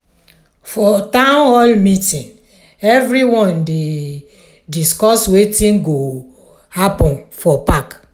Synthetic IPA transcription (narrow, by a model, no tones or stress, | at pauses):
fɔtãʊnhɔlmitĩn | ɛvɾiwɔ̃nde | diskɔswetĩnɡo | hapɔ̃nfɔpak